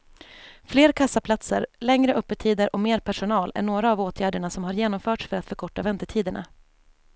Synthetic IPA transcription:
fleːɾkʰasːapʰlat̪sə̰ɾlɛŋɾəʔɵpːət̪ʰiːd̪əɾʔɔmeːɾpʰæʂʊnɑːlæ̰ɳoːɾaːvoːt̪ʰjæːɖəɳasɔmhaɾjeːnɔmfœːʈʂfœɾat̪fœɾkʰɔʈːavɛnt̪əʈʰiːd̪əɳa̰

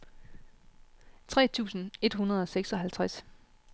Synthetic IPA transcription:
t͡sʰʁɛ̰ːt͡sʰṵːsn̩e̝d̥ɦunɐð̞̩ˠɒ̽seɡ̥sɒ̽ɦælt͡sʰʁas

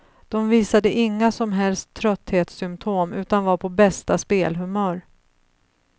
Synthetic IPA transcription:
d̪̥ɔmviːsad̪əʔɪŋːasɔmɦɛlst̪ʰːɾœt̪heːt̪sʏmpt̪ʰoːmʉ̟ːt̪anvaɾpʰɔbɛst̪aspeːlɦɵmœːɾ

